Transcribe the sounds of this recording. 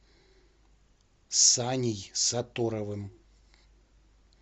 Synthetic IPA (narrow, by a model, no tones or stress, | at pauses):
sanʲijsat̪oɾɐvɨm